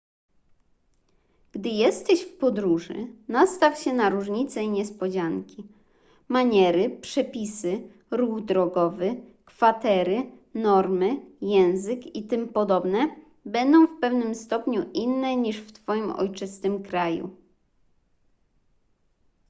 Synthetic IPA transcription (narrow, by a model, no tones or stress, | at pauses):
ɡ̥d̪ɘjɛst̪ɛɕfpɔd̪ɾuʐɘ̰nast̪afɕɛnaɾuʐɲit̪sɛiɲɛspɔd͡ʑaŋkʲi | maɲɛɾɘpʂɛpʲisɘ | ɾuɣd̪ɾɔɡɔvɘkfat̪ɛɾɘ | nɔɾmɘjɛw̃zɘkit̪ɘmpɔd̪ɔbnɛ | bɛnd̪ɔ̃w̃fpɛvnɘmst̪ɔpɲuʔinːɛɲiʂft̪fɔjimɔ̰jt͡ʂɘst̪ɘmkɾajṵ